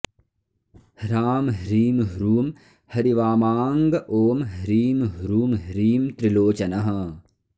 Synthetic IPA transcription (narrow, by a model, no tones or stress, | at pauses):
hɾaːmɦɾiːmɦɾuːm | hɐɾiʋaːmaːŋɡɐʔoːmɦɾiːmɦɾuːmɦɾiːmt̪ɾiloːt͡ʃɐnɐɦɐ